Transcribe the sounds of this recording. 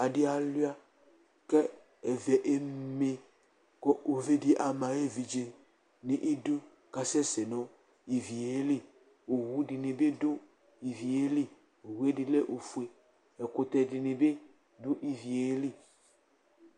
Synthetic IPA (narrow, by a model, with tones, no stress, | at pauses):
a˨di˦a˨lu˦a˦ | kɛ˦ | ɛ˨vɛ˨ʔe˦me˨ | kɔ˦ʔo˨ve˦di˦ʔa˨mã˨je˦vi˨d͡ʒe˨ | nĩ˨ʔi˦du˦ | ka˨sɛ˦se˨nɔ̃˦ | i˨vi˨e˦li˦ | o˨wu˦di˨nẽ˨be˦do˦ | i˨vi˨e˦li˦ | o˨wu˨˦e˦di˨le˦ʔo˨fu˨˦e˨ | e˨ko˨t̪ɛ˨di˨ne˨be˦ | dʊ˦ʔi˨vi˨e˦li˦